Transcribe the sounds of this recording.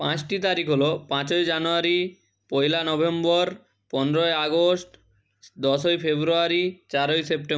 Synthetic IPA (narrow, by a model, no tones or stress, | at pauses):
pãt͡ɕʈit̪aɾikʰɦolopãt͡ɕojd͡ʑanoaɾi | pojlanɔbembɔɾ | pɔnɾoeaɡosʈ | d̪ɔʃojfʰebɾuaɾit͡ɕaɾojsepʈe